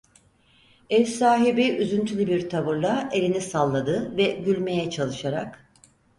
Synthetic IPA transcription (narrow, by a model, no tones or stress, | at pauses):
ɛvsaːɦibiʔyzynt̪ʰylʲybiɾt̪ʰavɯɾlˠaʔe̞lʲinisalˠːad̪ɯvɛɟylʲme̞jɛt͡ʃʰalˠɯʃaɾak